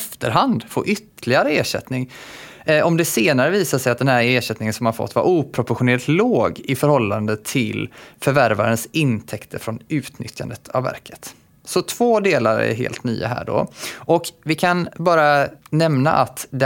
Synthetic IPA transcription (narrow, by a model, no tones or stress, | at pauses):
ft̪əɾɦand̪fo̰ːɾʔʏt̪ːəlɪɡaɾəeːʂɛ̰t̪nɪŋ | ɔmd̪ɛseːnaɾəviːsaʂɛjat̪d̪ɛnɦæːɾeːʂɛt̪nɪŋənsɔmhaɾfɔ̰t̪ːva̰ɾʔuːpʰɾʊpɔɾɧʊneːlɪt̪loːɡɪfœɾhɔlːand̪ət̪ʰɪlfœɾvæɾva̰ɾənsɪnt̪ʰɛkt̪ʰəɾfɾɔnʉ̟ːt̪nʏ̰t̪ʰja̰nd̪ət̪ʰa̰vːæ̰ɾkʰə̥t̪ | sɔt̪ʰv̥oːd̪eːlaɾɛ̰ɾɦḛːlt̪ny̰ːa̰ɦæ̰ːɖɔ̰ʔɔkvɪkʰanbɑːɾanɛmna̰ʔat̪d̪ɛ